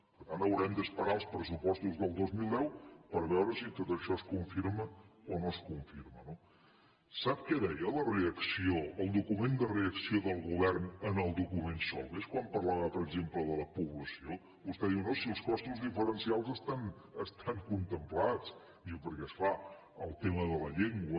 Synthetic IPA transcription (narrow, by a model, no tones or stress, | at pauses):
pəɾt̪ant̪əwɾɛmd̪əspəɾaəlˠspɾəsupɔst̪uzðəlˠd̪ozmilˠd̪ɛwpəɾβɛwɾəsit̪ot̪əʃɔskuɱfiɾməonoskuɱfiɾməno | sap̚kɛðɛjələreəksioəlˠd̪ukumend̪əreəksioðəlˠɣuβɛrnənəlˠd̪ukumensɔ̰lˠeskwampəɾlaβəpəɾəɡzempləðələpuβləsio | βust̪ɛðiwnosiəlˠskɔst̪uzðifəɾənsialˠzəst̪an | əst̪ʰaŋkunt̪əmplat͡s | iwpəɾkɛsfa | əlˠt̪eməðələʎeŋɡwə